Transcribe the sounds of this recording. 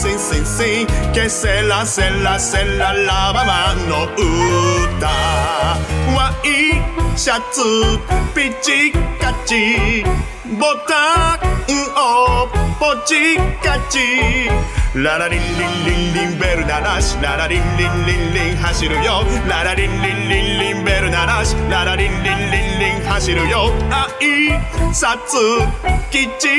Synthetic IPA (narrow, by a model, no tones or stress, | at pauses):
sĩsĩsĩkɛsɛlasɛlasɛlalabamanɔota | waiʃatupit͡ʃikat͡ʃi | bɔtaŋ̩ɔpɔt͡ʃikat͡ʃi | laɾaɾin̩lililimbɛɾunaɾaʃlaɾaɾin̩len̩leleɦaʃeɾojɔlaɾaɾilililim̩bɛɾonaɾaʃlaɾaɾileleleŋɦaʃeɾojɔaisatukit͡ʃi